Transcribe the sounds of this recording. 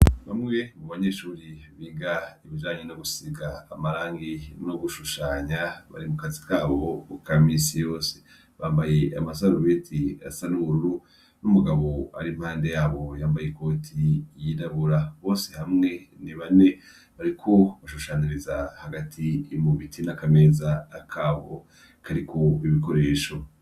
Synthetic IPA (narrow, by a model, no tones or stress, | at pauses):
βa̰mŋiemuβaɲe̞ːʃuːɾiβiːŋɡaiβid͡ʒaːɲenoɡusiɡaːmaɾaːŋɡinoɡuʃuʃaːɲaβa̰ɾimukazikaːβo̞ukʰamisijo̞ːse̥ | βaːmbajeamasaɾuβetʰia̰sanumuɾuɾu | numuɡaβo̞a̰ɾim̥haːnde̞jaːβo̞jaːmbajeko̞ːtʰijidaβuɾaβo̞ːsehamŋe̞niβane̞ | βaɾikʰo̞βaʃuʃaːɲiɾizahaɡatʰiːmuβitʰinakameːzaːkʰaːβo̰ | kʰaɾikʰo̞iβiko̞ɾe̞ːʃo̞